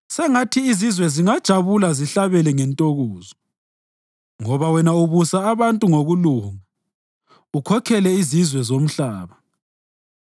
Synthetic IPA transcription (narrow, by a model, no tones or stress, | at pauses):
sɛŋatʰiːzizwɛziŋad̥ʒ̥ʱaβulaziɬaβɛlɛŋɛntʼoɣoːzɔ | ŋɔβawɛnauβusaːβantʼuŋoɣuluːŋa | ukʰɔkʰɛlɛizizwɛzom̩ɬaːβa